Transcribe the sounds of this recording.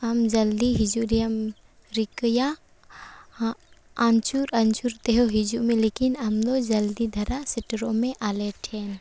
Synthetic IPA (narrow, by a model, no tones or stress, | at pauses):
ɦɐmd͡ʒɐld̪iɦɪd͡ʒuɾijəm | ɾɪkja | ãnt͡ʃuɾɐnt͡ʃuɾt̪eɦoɦɪd͡ʒumẽleːkɪnɐmd̪od͡ʒɐld̪id̪ʱɐɾasɪʈɾõmẽʔaːleʈʰeːn